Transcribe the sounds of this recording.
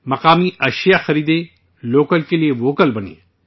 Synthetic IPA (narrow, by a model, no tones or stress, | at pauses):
mɐqaːmiɐʃjaxɐɾiːd̪e | loːkəlkelieʋoːkəlbɐnḛː